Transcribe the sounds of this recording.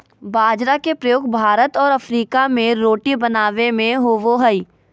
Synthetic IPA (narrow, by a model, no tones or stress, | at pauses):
baːd͡ʒɾakepɾɐjoːɡ̚bʱaːɾət̪ɔːɾɐfɾiːkamẽɾoːʈibɐnaːʋemẽɦoʋoɦəi